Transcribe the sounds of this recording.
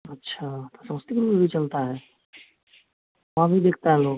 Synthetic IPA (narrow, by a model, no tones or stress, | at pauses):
ɐtːʃʰat̪osɐməst̪ikɾubʱit͡ʃɐlt̪aɦɛː | ʋɐɦãbʱid̪eːk̚ʰt̪aɦɛ̃loːɡ